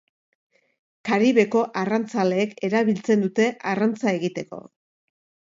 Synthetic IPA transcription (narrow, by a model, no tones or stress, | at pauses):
kaɾiβe̞ko̞ʔarant͡sale̞ːke̞ɾaβilt͡se̞nd̪ut̪e̞ʔarant͡sae̞ɣit̪e̞ko̞̰